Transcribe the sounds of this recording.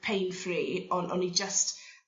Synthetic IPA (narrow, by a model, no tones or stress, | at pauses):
pʰejnfriːɔnʔɔ̰nid͡ʒəst